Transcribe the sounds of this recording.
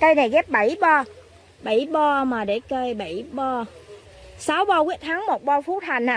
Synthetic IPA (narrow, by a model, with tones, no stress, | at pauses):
kə˧jna˨˩jɣɛ˦˥p̚ɓa˧˩jɓɔ˧ | ɓa˧˩jɓɔ˧maː˨˩ɗe˧˩kəː˧jɓa˧˩jɓɔ˧ | saː˨˦wɓɔ˧ki˦˥ət̚t̪ʰaː˨˦ŋmo˨˩t̚ɓɔ˧fu˦˥t̚ha˨˩jŋ̟a˨